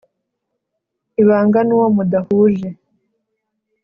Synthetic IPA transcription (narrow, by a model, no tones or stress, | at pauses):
iβaːŋɡanuwomudahuːʒe